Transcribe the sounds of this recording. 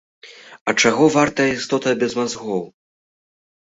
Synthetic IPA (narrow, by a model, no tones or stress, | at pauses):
ɐt͡ʂaɣɔvart̪ɐist̪ɔt̪ɐbʲɛzmazɣɔw